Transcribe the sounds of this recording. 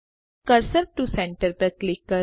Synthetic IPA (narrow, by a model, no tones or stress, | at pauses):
kɐɾsəɾ̚ʈusɛ̃ɳʈəɾpəɾklɪkːə